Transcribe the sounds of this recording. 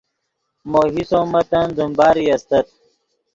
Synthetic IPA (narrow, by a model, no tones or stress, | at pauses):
moɦisoːmɐt̪ɐnzumbaːɾijɐst̪ɐt̪̚